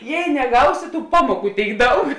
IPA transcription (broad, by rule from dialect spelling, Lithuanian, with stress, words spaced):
ˈjɛɪ nʲɛˈɡɐʊsʲɪ tuː ˈpɑːmuɔˌkuː ˈtʲeːɪk ˈdɐʊk